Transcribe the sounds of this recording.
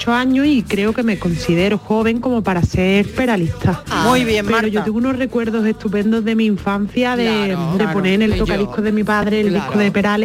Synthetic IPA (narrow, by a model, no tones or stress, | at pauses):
t͡ʃoaɲosikɾe̞oke̞me̞ko̞nsiðe̞ɾoxo̞β̞e̞ŋko̞mo̞paɾase̞ɾpe̞ɾalit̪ʰamuβjepeɾoʝo̞t̪eŋɡunore̞kwe̞ɾðo̞se̞ht̪upẽ̞nd̪ozðe̞mĩːɱfan̟θjaðed̪e̞po̞ne̞nelt̪o̞kaðihkoðe̞mipaðɾeːld̪ikʰoðepe̞ɾale